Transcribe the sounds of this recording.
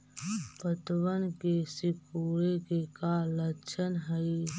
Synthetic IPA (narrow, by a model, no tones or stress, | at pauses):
pət̪wənkesɪkuːɽekekalət͡ʃʰənɦəj